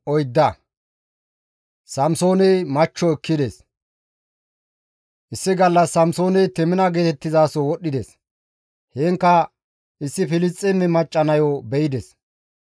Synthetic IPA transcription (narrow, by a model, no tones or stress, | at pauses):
ʔɔjd̪ːɐ | sɐmso̞ːnɛjmɐt͡ʃːɔɛkːɪd̪es | ʔɪsːɪɡɐlːɐsːɐmso̞ːnɛjt̪ɛmɪnɐɡeːt̪ɛt̪ːɪzaːsɔwɔɗːɪd̪es | heːŋkːɐ | ʔɪsːɪfɪlɪst͡sʼːɛmːɛmɐt͡ʃʼːɐnɐjɔbɛjɪd̪ɛs